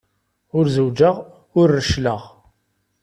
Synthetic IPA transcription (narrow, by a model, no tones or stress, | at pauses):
ʊɾzəwd͡ʒəʁ | ʊɾːəʃləʁ